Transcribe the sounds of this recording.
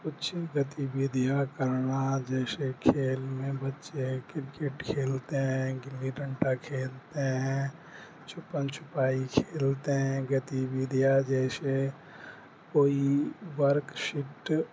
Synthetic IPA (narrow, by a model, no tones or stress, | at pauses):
kʊt͡ʃʰɡət̪ibiːd̪ʱijakəɾnad͡ʒɛːsekʰeːlmẽbətːʃekɪɾkeʈkʰeːlt̪eɦɛ̃ɡɪlːiɾə̃ɳʈakʰeːlt̪eɦɛ̃ | t͡ʃʰʊpənt͡ʃʰʊ̥paːikʰeːlt̪eɦɛ̃ɡət̪iwiːd̪ʱjad͡ʒɛːse | koːiwəɾkʃɪʈ